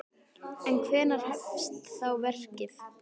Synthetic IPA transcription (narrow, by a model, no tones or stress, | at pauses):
ɛnkʰvɛːnaɾ̥hɛfst̪θawvɛr̥cɪθ